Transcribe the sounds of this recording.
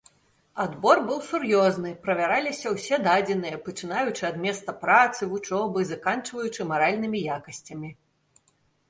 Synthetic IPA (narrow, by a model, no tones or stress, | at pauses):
ad̪bɔrbɨwsurjɔznɨpɾɐvʲaɾalʲisʲɐwsʲɛd̪ad͡zʲɛnɨjɐpɐt͡ʂɨnajut͡ʂɨad̪mʲɛst̪ɐpɾat̪sɨvut͡ʂɔbɨzakant͡ʂvɐjut͡ʂɨmaɾalʲnɨmʲijakɐsʲt͡sʲɐmʲi